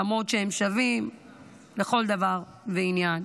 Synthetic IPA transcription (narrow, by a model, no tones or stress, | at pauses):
amo̞tʃehemʃavim | le̞xo̞ld̪avaʁ | veinjan